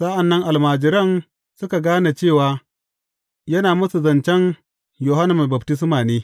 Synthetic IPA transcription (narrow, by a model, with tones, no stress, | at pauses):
sa˦ʔa˨nːɐ˦ŋʔa˨lmaː˨d͡ʒɪ˨ɾɐ˦n | sʊ˦ka˨ɡaː˦na˨t͡ʃeː˦˨waː˨ | jɐ˦naː˨mɐ˦su˨zɐ˨nt͡ʃɛ˦n | jo˨ɦa˦nɐ˨m˨ba˨b̚tɪ˦s̬maː˨neː˦